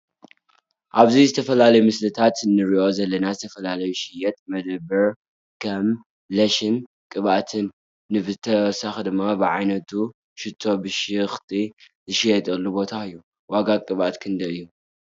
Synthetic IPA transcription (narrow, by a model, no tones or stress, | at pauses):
ʔaβzizɨt̪ʰɐfɐlalɐjumɨslɨt̪ʰat̪nɨɾiʔo̞zɐlːɐnazɨt̪ʰɐfɐlalɐjuʃɪjɛt̪mɐd̪ɐbːɐɾ | kʰɐm | lɐʃɪn | kʼɨβaʔt̪ʰɨnː | ɨβɨt̪ʰːɐsɐxd̪ɨmːabɨʕajnɐt̪ʰu | ʃɪt̪ʰːo̞bɨʃɪxt̪ʰʼi | zɨʃijɛt̪ʼɐlːubo̞t̪ʰaɨjːu | waɡakʼɨβa̰t̪kʰɨnd̪ɐɨjːu